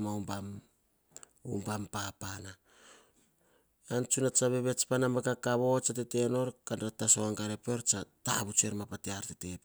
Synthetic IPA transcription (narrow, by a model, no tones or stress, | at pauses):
maumbam | ṵmbampapana | ant͡ʃunat͡ʃaβe̞βet͡ʃpanamekakaβo̞t͡ʃatete̞no̞ɾkandatasoaŋɡaɾepeɾt͡ʃatahabut͡ʃue̞ɾmapateaɾtete̞p